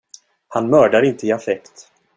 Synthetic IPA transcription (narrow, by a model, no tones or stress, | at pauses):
hanmœːɖaɾɪnt̪əɪafɛkt̪